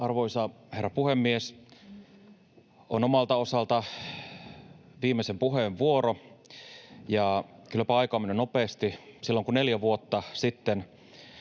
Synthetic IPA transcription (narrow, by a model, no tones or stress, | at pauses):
ɑrʋoisɑherːæpuhemːies | onomɑlt̪ɑosɑlt̪ɑ | ʋiːmːesempuɦeʋʋuoɾo | jɑkylæpæɑikoɑmːinenopeːst̪isilːoŋkunneljæʋuot̪ːɑsit̪ːen